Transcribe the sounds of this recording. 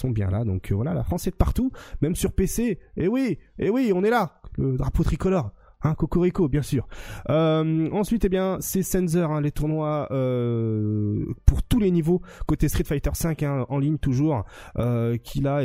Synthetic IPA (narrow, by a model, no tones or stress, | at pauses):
sɔ̃bjɛ̰̃lad̪ɔ̃kʰvwalala̰fχɑ̃sɛd̪əpaʁt̪umɛmsyʁpeseewiewiɔ̃nɛlaləd̪ʁapot̪χikɔlɔʁ | ɛ̃kokɔʁikobjɛ̃syːʁømɑ̃sɥit̪ebjɛ̃sɛsɛnzœʁɛ̃let̪uʁnwaø | puʁt̪ulenivokot̪est̪χit̪fajt̪œʁsɛ̃kɛ̃ʔɑ̃liɲt̪uʒuːʁøkʲʰila